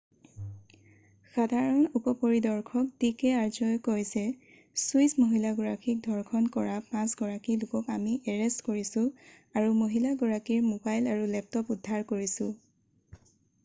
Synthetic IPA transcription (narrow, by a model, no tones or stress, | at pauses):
xadʱaɹɔnupɔpoɹidɔɹkʰɔk̚dikɛaɹzɔjkojzɛ | suismoɦilaɡɔɹakʰik̚dʱɔɹkʰɔnkɔɹapãsɡɔɹakilʊkɔkamiʔɛɹɛstkoɹisʊ̃ | aɹumoɦilaɡuɹakiɹmobajlaɹulɛp̚tɔpudʱːaɹkoɹisʊ̃